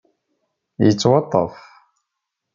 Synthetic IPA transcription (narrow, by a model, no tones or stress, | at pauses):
jət͡sːwɑt̪ˤːə̰f